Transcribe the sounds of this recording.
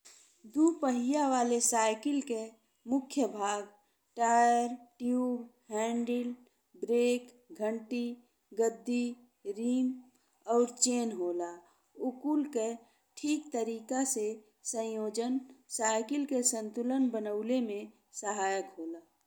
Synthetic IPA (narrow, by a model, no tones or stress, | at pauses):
d̪uːpəɦɪjaʋaːlesaːɪkɪlke | mʊkʰjəbʱaːɡ | ʈaːjəɾʈjuːbhɛ̃ːɳɖɪl | bɾeːk | ɡʱə̃ɳʈi | ɡəd̪ːi | ɾiːm | ɔːɾt͡ʃeːnɦoːla | ʊkuːlke | ʈʰiːkt̪əɾiːkase | sə̃joːd͡ʒənsaːɪkɪlkesə̃nt̪ʊlənbənəʊlemẽ | səɦaːjəkɦoːlaː